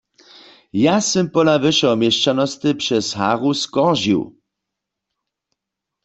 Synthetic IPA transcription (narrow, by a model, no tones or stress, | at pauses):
jasɛmpɔlavɨʃɛɔmjɛʃt͡ʃanɔst̪ɨpʃɛsha̰ːʁuskɔʁʒḭw